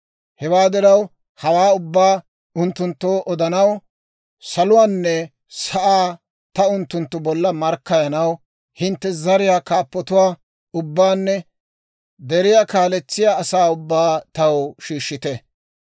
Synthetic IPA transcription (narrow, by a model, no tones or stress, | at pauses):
hɛwaːd̪ɪɾɐw | hɐwaːʊbːaː | ʊnt̪ːʊnt̪ːoːʔɔd̪ɐnɐw | sɐlʊwaːnːɛ | sɐʔaː | t̪ɐʊnt̪ːʊnt̪ːʊbɔlːɐmɐɾkːɐjɐnɐw | hɪnt̪ːɛzɐɾɪjaːkaːpːɔt̪ʊwaː | ʊbːaːnːɛ | d̪ɛɾɪjaːkaːlɛt͡sːɪjaːsaːʊbːaːt̪ɐwʃiːʃːɪt̪ɛ